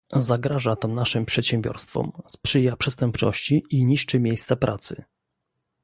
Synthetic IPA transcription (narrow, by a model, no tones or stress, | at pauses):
zaɡɾaʐat̪ɔnaʂɘmpʂɛt̪ɕɛmbʲjɔ̰ɾst̪fɔ̰mspʂɘjapʂɛst̪ɛmpt͡ʂɔ̰ɕt͡ɕiʔiɲiʂt͡ʂɘmʲjejst̪sapɾʔat̪sɘ̰